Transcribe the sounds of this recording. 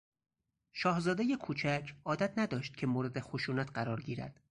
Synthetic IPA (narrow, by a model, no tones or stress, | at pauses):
ʃɒːhzɒːd̪ejekʰuːt͡ʃʰæcʰʔɒːd̪æt̪ʰnæd̪ɒːʃt̪̚cʰe̞moːɾed̪exoʃuːnæt̪ʰɢæɾɒːɾɟiːɾæ̰d̪̥